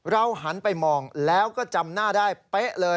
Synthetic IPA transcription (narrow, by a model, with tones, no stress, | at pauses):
ɾa˧wɦa˩˦npa˧jmɔː˧ŋlɛː˦˥wkɔː˥˩t͡ɕa˧mnaː˥˩daː˥˩jpe˦˥ʔlɤː˧